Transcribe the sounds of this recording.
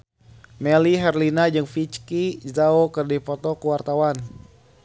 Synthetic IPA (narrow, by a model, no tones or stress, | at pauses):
mɛliɦɛrlinad͡ʒɨŋfit͡ʃkizaokɨrdifɔt̪ɔkuwart̪awan